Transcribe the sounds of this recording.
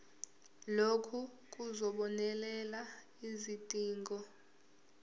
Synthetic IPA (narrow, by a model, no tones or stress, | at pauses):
lokʰu | k̬ʼuzɔɓɔnɛlɛla | izitʼiːŋɡɔ